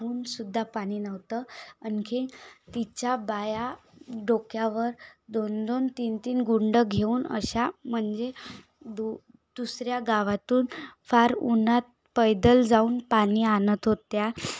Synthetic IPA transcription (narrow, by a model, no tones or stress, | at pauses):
uːnsud̪ʱːapaɽ̃iːnəʋt̪əənkʰit̪it͡ɕabajaɖokjaʋəɾd̪ond̪ont̪iːnt̪iːnɡuɳɖəɡʱeuːnə̰ɕam̤əɳd͡ze | d̪u | d̪̥usɾjaɡaʋat̪uːnfaɾunat̪̚ | pəjd̪əld͡zauːnpañiːanət̪ɦot̪ja